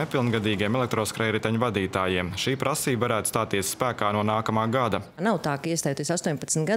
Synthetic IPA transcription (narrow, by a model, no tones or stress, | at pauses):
epilˠnɡad̪iːɡiɛmɛlek̚t̪ɾoːskɾɛjɾit̪aɲvad̪iːt̪aːjiɛmʃiːpɾʔasiːbvaɾæːt̪st̪aːt̪ːiɛsspæːkaːnuɔnaːkamaːɡad̪anawt̪aːkaiɛst̪ajt̪isast̪uɔɲpat̪snt̪ɡa